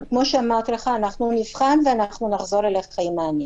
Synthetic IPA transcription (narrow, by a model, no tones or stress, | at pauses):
kmo̞ʃeamaʁt̪leχaːnaχnunivχanveanaχnunaχzo̞ʁeleχχaimaːne